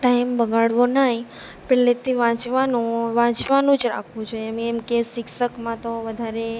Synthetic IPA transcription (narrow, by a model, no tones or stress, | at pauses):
ʈajmbəɡaɽʋonəɦi | pelet̪ʰiʋãt͡ʃʋanũʋãt͡ʃʋanũd͡ʒɾa̰kʰʋũt͡ʃʰoɛmemkesɪkʃəkmãt̪oʋəd̪ʱaɾe